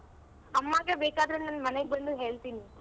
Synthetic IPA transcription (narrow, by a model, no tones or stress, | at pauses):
ɐmːaːɡeːbeːkaːd̪ɾenaːnːmɐneɡ̚bɐɳɖuɦe̞ːɭt̪iːni